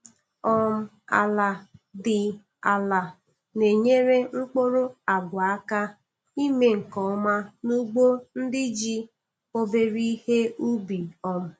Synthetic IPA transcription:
ɔ˦m̩˦ | a̰˨la˨dɪ˨ | a˨la˨ | ne˨ɲe˦ɾe˦ŋ͡m̩˦k͡po˦ɾo˦a˨ɡʷa˨a˦ka˦ | i˦me˨ŋ̩˨kɔ˨˦ma˦nu˦ɡ͡bo˦n̩˦dɪ˦d͡ʒi˦ | o˦be˦ɾi˦he˦u˦bi˨ɔ˨m̩˨

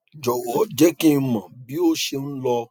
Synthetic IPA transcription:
d͡ʒɔ˨wɔ˨˦d͡ʒɛ˦kĩ˦˧mã˨bi˨˦o˦ʃe˧ñ̩˦lɔ˧

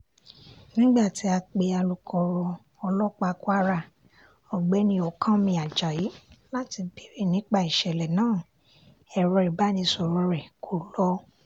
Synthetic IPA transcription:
nĩ˦ɡ͡ba˦˨ti˨˦a˧k͡pe˧a˧lu˧kʰɔ˧ɾɔ˧ | ɔ˧lɔ˦k͡pa˧kwa˦ɾa˧˨ | ɔ˨ɡ͡bɛ˨˦nĩ˧˦ɔ˨kʰã˦mĩ˧a˨d͡ʒa˨ji˨˦la˦ti˧be˨˦ɾi˦˨nĩ˨˦k͡pa˦˨i˨ʃɛ˨lɛ˨nãː˦˨ | ɛ˨ɾɔ˧i˨ba˨˦nĩ˧˦sɔ˧ɾɔ̃˧ɾɛ˨kʰo˨lɔ˦

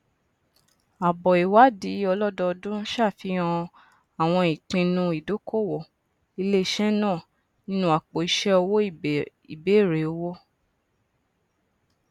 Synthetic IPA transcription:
a˨bɔ˨i˨wa˨˦di˨˦ɔ˧lɔ˦dɔ˧dũ˦ʃa˦˨fi˨˦ɔ̃˧ | a˨w̃ɔ̃˧ĩ˨k͡pĩ˧nũ˧i˨do˨˦ko˦˨wɔ˨ | i˧le˦i˦˨ʃɛ˦nãː˦˨ | nĩ˦nũ˦a˨k͡po˨i˧ʃɛ˦o˧wo˦˨ | i˨be˨˦˨ɾe˨o˧wo˦

